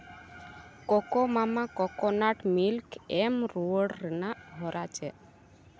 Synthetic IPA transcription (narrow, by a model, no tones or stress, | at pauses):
kɔkɔmamakɔkɔnaʈmilkemɾoɽɾɛnaɦɔɾʔat͡ʃʰɛ